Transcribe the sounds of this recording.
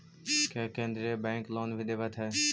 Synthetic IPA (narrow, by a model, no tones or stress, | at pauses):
keːkẽːnd̪ɾiebɛ̃ːŋkloːnbʱid̪eːʋət̪ʰɦɛː